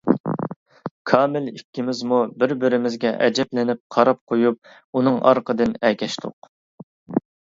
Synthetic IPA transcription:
kʰɑːmɪlikʲːimɪzmubɪɾbɪɾɪmɪzɡʲɛʔɛ̰d͡ʒɛplɪnɪp̚qʰɑɾɑp̚qʰojup̚ | unɨŋɑ̰ɾqəd̪ɨnɛkʲʰɛʃt̪ʰʊ̰q

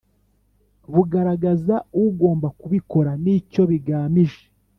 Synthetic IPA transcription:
βuɡaɾaɡazauɡo̞ːmbakuβiko̞ɾaniːco̞βiɡaːmiʒe̥

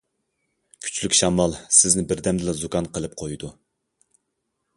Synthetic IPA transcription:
kʲʰy̥t͡ʃlykʲʃɑmɑlˠsɪznɪbɪɾd̪ɛmd̪ɪlɛzukʰɑnqəlˠɨp̚qʰojd̪u

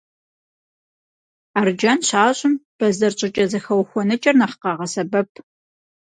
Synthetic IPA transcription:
aːrd͡ʒɐnɕaːɕʼɪmb̥ɐzɐrt͡ʃʼɪt͡ʃʼɐzɐxɐwxʷɔnɨt͡ʃʼɐrnɐχqɑʁɐsɐbɐp̚ʰ

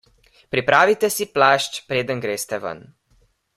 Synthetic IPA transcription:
pɾipɾaːʋit̪ɛsiplaːʃt͡ʃpɾeːd̪ənɡɾeːst̪ɛʋə̰n

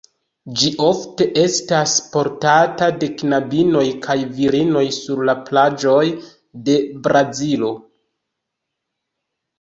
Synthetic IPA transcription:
d͡ʒiʔo̞fte̞ʔe̞staspo̞ɾtatade̞knabino̞jkʰajviɾino̞jsuɾlaplad͡ʒo̞j | de̞bɾazilo̞

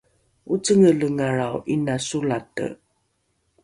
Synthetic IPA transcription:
ut͡səŋələŋaɹawʔinasulatə̰

